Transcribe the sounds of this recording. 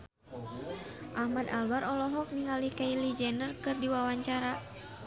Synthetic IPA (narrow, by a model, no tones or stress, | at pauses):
ʔahmadalbaɾɔlɔɦɔk̚niŋalikailid͡ʒɛnərkɨrdiwawaɲt͡ʃaɾa